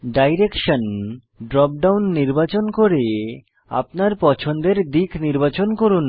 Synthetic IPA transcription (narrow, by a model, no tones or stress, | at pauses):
ɖajɾekʃon | ɖɾɔp̚ɖawnːiɾbat͡ɕonkoɾe | a̰p̚naɾpɔt͡ɕʰond̪eɾd̪ikʰniɾbat͡ɕonkoɾun